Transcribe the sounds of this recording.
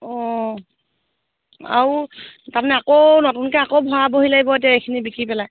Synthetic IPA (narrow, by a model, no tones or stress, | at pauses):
ɔ̃ | a̰utaɹmanɛakownotunkɛakowbʱɔɹaboɦilaibɔet̬aejkʰinibikɹipɛlaj